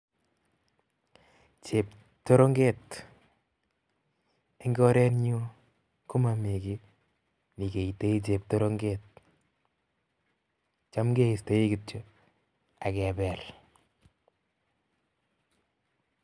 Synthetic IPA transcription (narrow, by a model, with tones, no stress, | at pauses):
t͡ʃe˨p̚ | to˦ɾo˦ŋɡe˦t | e˦ŋɡɔ˦ɾɛ˦nɲu˦ | ku˦ma˨mi˨kɪ˦ | ni˨ke˨i˨te˦i˦t͡ʃe˨p̚to˦ɾo˦ŋɡe˦t̚ | t͡ʃa˦mɡe˦i˨ste˨˦i˦kɪ˨to˦ | a˨kɛ˨bɛ˨l